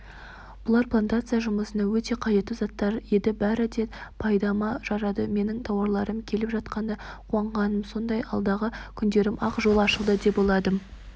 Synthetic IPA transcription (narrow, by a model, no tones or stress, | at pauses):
b̥ʊlˠɑɾplˠant̪at̪sɨjaʒʊməsənɑwɵt̪e̞qʰɑje̞t̪ːɪzɑt̪ːɑɾjed̪ɪbæɾɪd̪e̞pʰɑjd̪ɑmɑʒɑɾɑd̪əme̞nɪŋt̪ʰɑwɑɾlˠɑɾəmkʲʰe̞lɪpʒɑt̪̚qɑnd̪ɑqʰuɑɴʁɑnəmso̞nd̪ɑjɑ̰lˠd̪ɑʁəkʲʰʏnd̪e̞ɾɪmɑqʒo̞lˠɑʃəlˠd̪əd̪e̞pbo̞lˠɑd̪ə